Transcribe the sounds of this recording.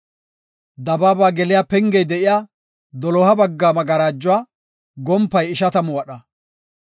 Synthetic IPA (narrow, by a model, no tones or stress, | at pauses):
d̪ɐbaːbaːɡɛlɪjaːpɛŋɡɛjd̪ɛʔɪjaː | d̪ɔlɔːhɐbɐɡːaːmɐɡɐɾaːd͡ʒːʊwaː | ɡɔmpːɐjɪʃɐt̪ɐmʊwɐɗɐ